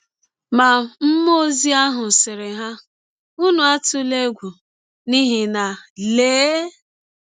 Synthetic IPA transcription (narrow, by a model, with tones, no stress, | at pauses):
ma˨m̩˦mo˦zi˦a˦ɦʊ˨sɪ˨ɾɪ˨ɦa˦ | u˦nʊ˨a˦tʊ˦le˦ɡʷu˨ | ni˦ɦi˨na˨leː˦